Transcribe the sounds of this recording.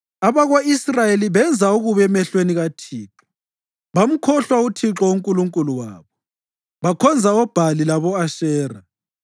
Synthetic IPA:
aβaɣoisrajeliβɛnd͡zʱauɣuβɛmɛɬweniɣatʰiːǁɔ̥ | βam̩kʰɔɬwautʰiǁɔuŋkʼuluŋkʼuluwa̰ːβɔ | βakʰɔnd͡zʱaɔb̥ʱalilaβɔaʃɛːra

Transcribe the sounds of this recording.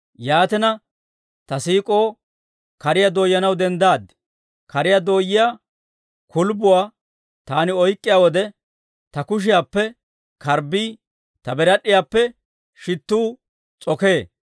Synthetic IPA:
jaːt̪ɛnɐ | t̪ɐsiːkʼo̞ː | kɐɾɪjad̪oːjːɐnɐwd̪ɛnd̪aːd̪ | kɐɾɪjad̪o̞ːjːɪjaː | kʰʊlbʊwaː | t̪aːnɪɔjkʼːɪjaːwɔd̪ɛ | t̪ɐkʊʃ̬ɪjaːpːɛ | kɐɾbiː | t̪ɐbɛɾɐɗɪjaːpːɛ | ʃɪt̪ːuː | t͡sʼɔke̞ː

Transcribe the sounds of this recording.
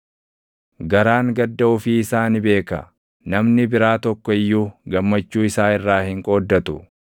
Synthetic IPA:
ɡɐɾaːŋɡɐd̪ːɐʊfiɪsaːnɪbe̞ːkɐ̰ | nɐmnɪbɪɾaːt̪ɔkːɔɪjːuːɡɐmːɐt͡ʃːuːɪsaːɪrːaːhɪŋkʼoːd̪ːɐt̪ʊ

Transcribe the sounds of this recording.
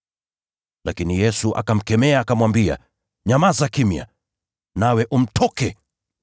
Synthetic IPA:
lakinijɛsuʔa̰kam̩kɛmɛaːkamwambia̰ | ɲamazakimja̰ | nawɛʔum̩tʰɔkɛ

